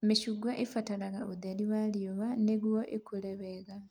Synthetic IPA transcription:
miʃuɡwaʔefatalaɣaod̪aliwaljoβaneβwoʔekuleβeɣa

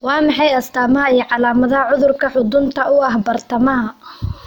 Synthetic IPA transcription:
wɑːmɑħɑjɐst̪ʰaːmɐɦɐijɞʕɑlaːmɐðɐhɐʕʊðʊrkʰɐħʊd̪ʊnt̪ʰɐʊɐɦbɐrt̪ʰɐmɐɦɐ

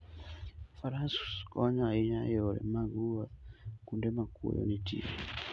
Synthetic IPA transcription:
faɾasskɔɲainajɔlɛ̰maŋɡuwakundɛmakṵjɔ̰nitʰḭa̰

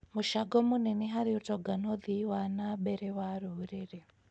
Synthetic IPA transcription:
muʃaɡɔmuneniɦaɾiutɔɡanoðiwanabeɾɛwaɾuɾiɾe

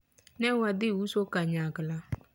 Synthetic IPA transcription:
nɛwadɪusokaɲaɡla

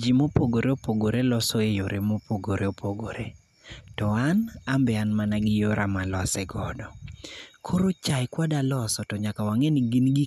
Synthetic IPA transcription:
d͡ʒimopoɡoɾeopoɡoɾelɔsɔejoɾemopoɡoɾeopʰoɡo̰ɾe | tɔanambɛanmanaɡɪjoɾʔamalɔsɛɡɔdɔkʰoɾot͡ʃajkwadalɔsɔtɔɲakawaŋɛniɡinɡi

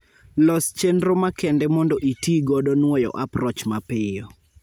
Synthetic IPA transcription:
lɔst͡ʃendɾomakɛndɛmɔndɔʔitiɡɔdɔnwɔjɔ̰ʔapɾɔt͡ʃmapɪjɔ

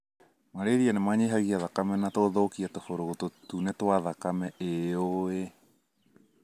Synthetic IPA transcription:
maɾeðianemaɲeɦaɣiaðakamɛnatoðokiatofoɾoɣototunetwaðakamɛʔeoe

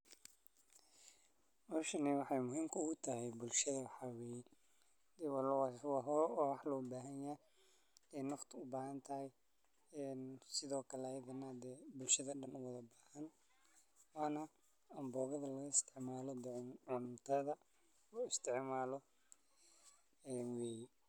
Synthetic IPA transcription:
mɔʃɐnɛwɑħɑjmʊɦiːmkʰɐʊɣʊt̪ʰɐɦɛjbʊlʃɐðɐwħɑwɛːjɛ | d̪ɛːwɑlwwɑɦɔɾɔːwɑħlɔːbaːɦɐnja | ɛːnːɔχt̪ʰʊbaːɦɐnt̪ʰɐhɛj | ɛnsɪðɔːkʰɐlɛːjɐðɐnɐd̪ɛːbʊlʃɐðɐɗɐnʊwɐðɐbaːhɐn | waːnɐ | ɐmbɔːɣɐðɐlɐɣɐɪst̪ʰɪʕmaːlɔd̪ɛʕʕʊnt̪ʰɐðɐ | ʊɪst̪ʰɪʕmaːlɔ | ɛːnweːjɛ

